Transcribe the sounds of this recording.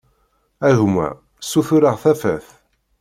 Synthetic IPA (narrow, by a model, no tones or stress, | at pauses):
æʝmæ̰ | suθʊɾəʁθæfæ̰θ